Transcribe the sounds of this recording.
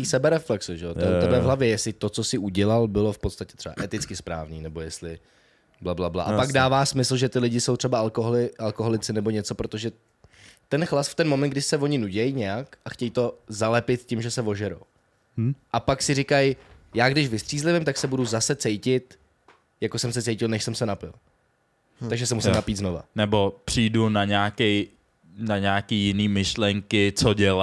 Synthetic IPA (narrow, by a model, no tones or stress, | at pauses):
iːsɛbɛɾɛflɛksuʒɛot̪ɛut̪ɛbɛvɦlavjɛjɛslɪt̪o̞t͡so̞sɪʔuɟɛlalbɪlo̞fpot̪st̪acɛ̥t̪r̥ɛba̰ʔɛt̪ɪt͡skɪspɾa̰ːvniːnɛbo̞jɛst̪lɪ | blablabla̰ʔapaɡdaːvaːsmɪsl̩ʒɛt̪ɪlɪɟɪso̞wt̪r̝̥ɛbaalkoɦolɪʔalkoɦolɪt͡sɪnɛbo̞ɲɛt͡so̞pɾot̪o̞ʒɛ | t̪ɛnxlasft̪ɛnmomɛnt̪ɡ̚dɪsɛvo̞ɲɪnuɟɛjɲɛjakʔaxcɛjit̪o̞zalɛpɪt̪̚cɪmʒɛsɛvo̞ʒɛɾo̰w | ʔapaksɪrɪkaj | jaːɡdɪʃvɪst̪r̥iːzlɪvɪmt̪aksɛbuduzasɛt͡sɛjcɪt̪ | jakosɛmsɛt͡sɛjcɪlnɛʃsɛmsɛnapɪl | aɡʒɛsɛmusɪmnapiːd̪zno̞va̰nɛbo̞pr̝̥iːdunaɲaːkɛj | naɲaːkiːjɪniːmɪʃlɛŋkɪt͡soɟɛla